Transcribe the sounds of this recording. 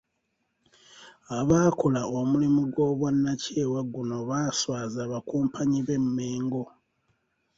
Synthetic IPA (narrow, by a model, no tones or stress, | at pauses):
aβaːkolaomulimuɡwo̞ːβwanːace̞ːwaɡuno̞βaːswaːzaːβakuːmpʰaɲiβe̞mːeːŋɡo̞